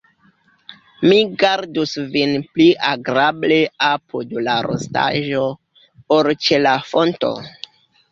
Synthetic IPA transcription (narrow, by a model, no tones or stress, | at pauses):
miɡaɾdusvinpliʔaɡɾableapʰudlaɾo̰sta̰ʒo̞ | oɾt͡ʃelafo̞nto̰